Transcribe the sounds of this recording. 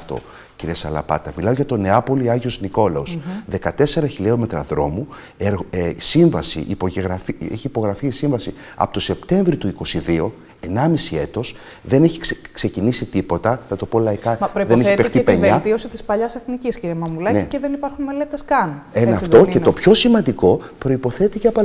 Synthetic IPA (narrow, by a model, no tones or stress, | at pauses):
ft̪o̞̰ | ciɾiesɐlɐ̰pɐ̰t̪ɐmilɐo̞ʝɐt̪o̞ne̞ɐpo̞liɐʝio̞zniko̞lɐosðe̞kɐt̪e̞se̞ɾɐçiliome̞t̪ɾɐðɾo̞mu | eɾɣsiɱvɐsḭʔipoeɣɾɐfieçiːpo̞ɣɾɐfiːsiɱvɐsi | ɐ̰pot̪o̞se̞pt̪e̞ɱvɾit̪uiko̞siðio̞ | e̞nɐmisie̞t̪o̞s | ðe̞ne̞çi̥kkse̞cinisit̪ipo̞t̪ɐnɐt̪o̞polɐikɐoiðeneçpext̪ipeɲeɐt̪iosit̪ispɐʎɐseθnicisciɾemɐmulɐniceðenipɐɾxunme̞le̞t̪eskɐnenɐft̪o̞ceopço̞simɐnd̪iko̞pɾo̞ipo̞θe̞t̪iceɐpo